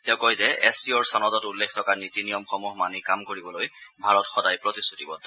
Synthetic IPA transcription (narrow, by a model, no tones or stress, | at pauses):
tɛʊkɔjzɛʔɛsiɔɹsanɔtɔtulːekʰtʰɔkanitinijɔmxɔmuɦmanikamkoɹibɔlojbʱaɹɔtxɔdajpɹɔtisutibɔ